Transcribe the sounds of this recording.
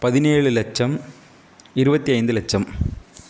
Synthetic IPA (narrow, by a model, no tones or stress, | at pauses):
pɐðineːɻɨlet͡ɕːɐm | iɾubɐt̪ːiɐjnd̪ɨlet͡ɕːɐm